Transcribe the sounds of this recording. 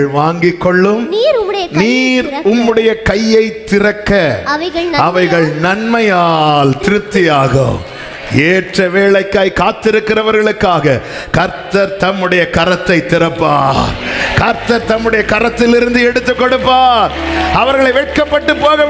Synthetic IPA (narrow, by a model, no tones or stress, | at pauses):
ɭʋaːŋɡɪkːɔɭːɯmnːɐniːɾʊmːɯɽɐjɐkɐjːɐɪt̪ːɪrɐkːɐɐɣɐɐʋɐɪɣɐɭnɐnmɐjaːlt̪ɪɾɯpt̪ːɪjaːɣɐ̰ | eːʈrɐʋeːɭɐɪkːaːɪjkaːt̪ːɪɾɯkːɪrɐʋɐɾɣɐɭɯkːaːɣɐ | kɐɾt̪ɐɾt̪ɐmːɯɽɐjɐkɐɾɐt̪ːɐɪt̪ːɪɾɐpːaːɾkɐɾt̪ɐɾt̪ɐmːɯɽɐjɐkɐɾɐt̪ːɪlɪɾɯnd̪ɯɛɽɯt̪ːɯkːɔɽɯpːaːɾɐʋɐɾɣɐɭɐɪʋɛʈ̚kɐpːɐʈːɯpːoːɣɐ